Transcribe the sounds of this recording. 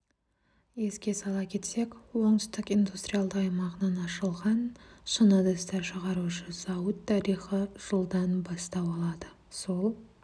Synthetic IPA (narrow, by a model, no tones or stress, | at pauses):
je̞skʲe̞sɑlˠɑkʲʰe̞t̪se̞kwo̞ɴd̪ʏst̪ɪkind̪ust̪ɾijalˠd̪əqɑjmɑʁənɑnɑʃəlˠʁɑnʃənəd̪əst̪ɑɾʃəʁɑɾuʃəzɑwət̪ʰːɑɾiχəʒ̥əlˠd̪ɑnbɑst̪ɑwɑlˠɑd̪ə | so̞lˠ